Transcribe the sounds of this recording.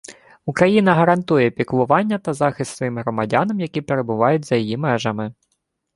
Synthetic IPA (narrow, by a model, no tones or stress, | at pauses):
ukɾɐjinɐɦɐɾɐnt̪ujɛpʲiklˠʊʋɑnʲːɐt̪ɐzɑxɪst̪sʋɔjimɦɾɔmɐdʲɑnɐmjɐkʲipeɾe̞bʊʋɑjʊtʲzɐjijimɛʒɐmɪ